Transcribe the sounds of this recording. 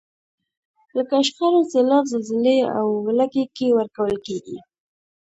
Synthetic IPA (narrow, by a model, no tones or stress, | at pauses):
ləkaʃxaɾozɪlɑzalzɪlea̰wlakekewəɾkawəlkeɡḭ